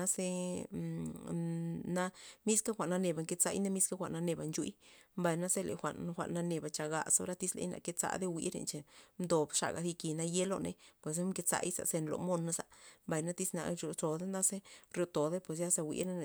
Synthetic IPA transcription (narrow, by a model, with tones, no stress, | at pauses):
a˦se˧ | na˦mi˦ska˦xʷa˨ʔna˧ne˨ba˨ŋke˧t͡sa̰˧jna˦mi˦ska˦xʷa˨nːa˧ne˨ba˨nt͡ʃṵ˧˦jmba˨jna˦se˦lḛ˨xʷa̰˨ʔnxʷa̰˨ʔnːa˧ne˧˨ba˨t͡ʃa˨ɡa̰˧sa˧˦ɾa˦t̪i˦slḛ˧jna̰˧˨ke˧t͡sa̰˧˦d̪e˦wḭ˧˦ɾḛ˧nt͡ʃe˧md̪o˨bʂa̰˨ɡa˨si˧ki˨˧na˧je˦lo̰˧nḛ˧pwe˨s̬a˦mke˧t͡sa̰˧˦jsa̰˨se˧nlo̰˨mo˦na˦sa˨mba˨jna˦t̪i˦sna̰˧ɾo˧t͡ʃo˨d̪e˦na˦se˦ɾjo˧t̪o˨d̪e˦pwe˨s̬ja˦sa˧wʷḭ˧ɾna˦ne˨